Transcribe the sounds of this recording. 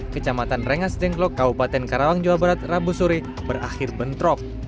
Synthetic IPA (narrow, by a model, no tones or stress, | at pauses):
kət͡ʃamat̪anrəŋasdɛŋklɔkːabupat̪ɛnkaɾawaŋd͡ʒawabəɾat̪rabusuɾi | bəra̰xɪrbənt̪ɾɔk̚